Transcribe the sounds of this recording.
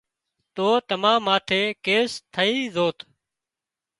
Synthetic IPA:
t̪oːt̪əmãːmaːt̪ʰeːkeːst̪ʰəiːzoːt̪ʰ

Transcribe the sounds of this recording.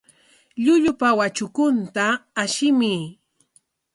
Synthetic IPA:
ʎʊʎʊpawat͡ʃʊkʊnt̪aːʃɪmɪ

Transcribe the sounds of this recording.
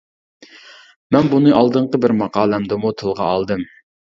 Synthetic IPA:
mɛnbunɨʔɑlˠd̪ɨɴqəbɪɾmɑqɑːlˠɛmd̪ɨmut̪ʰɨlˠʁɑ̰ɑlˠd̪ɨm

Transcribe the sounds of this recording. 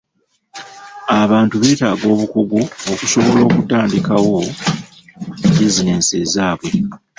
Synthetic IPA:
aβaːntuβe̞ːtaːɡo̞ːβukuɡuokuso̞βo̞lo̞ːkutaːndikawo̞ | bizine̞seːzaːβwe̞

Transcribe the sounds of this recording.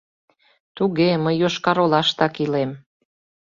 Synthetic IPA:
t̪uɣeməjːoʃkɑɾolɑʃt̪ɑkilem

